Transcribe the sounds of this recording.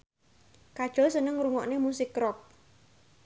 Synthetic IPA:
kad̥ʒ̥ɔ̤sənəŋɾuŋɔʔnemusɪkːɾɔk̚

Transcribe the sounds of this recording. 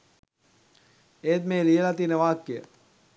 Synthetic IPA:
eːt̪̚meːlijəlat̪iːnəʋaːkːejə̰

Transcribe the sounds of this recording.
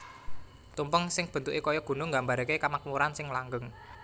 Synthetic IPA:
t̪umpəŋsɪŋb̥ənt̪ukekɔjɔɡ̥ṳnʊŋɡambaɾkekamak̚muɾansɪŋlaŋɡəŋ

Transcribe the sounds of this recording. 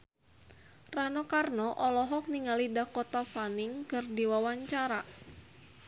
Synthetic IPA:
ranɔkarnɔʔɔlɔɦɔk̚niŋalidahkɔt̪afanɪŋkɨrdiwawaɲt͡ʃaɾa

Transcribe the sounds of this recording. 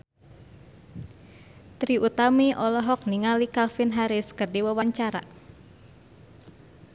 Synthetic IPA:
t̪ɾiʔut̪amiʔɔlɔɦɔk̚niŋalikalfinɦaɾɪskɨrdiwəwaɲt͡ʃaɾa̰

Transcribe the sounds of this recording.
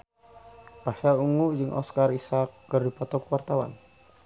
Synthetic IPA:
paʃauŋud͡ʒɨŋʔɔ̰skarisakːərdipɔt̪ɔkwart̪awa̰n

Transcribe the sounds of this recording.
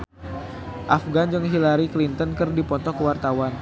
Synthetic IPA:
ʔafɡand͡ʒəŋɦilaɾiklint̪ənkɨrdipɔnt̪ɔkəwart̪awan

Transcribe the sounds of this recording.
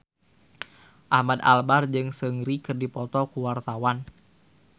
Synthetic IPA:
ʔamad̪albard͡ʒɨŋsəŋɾikərdipɔt̪ɔkuwart̪awan

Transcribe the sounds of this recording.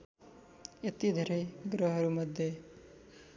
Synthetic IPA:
et̪id̪ʱɐɾeɡɾoɦɐɾumɐd̪ʱje

